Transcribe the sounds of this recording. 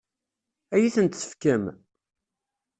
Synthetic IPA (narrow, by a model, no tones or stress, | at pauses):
æjiθənt̪sə̥fkəm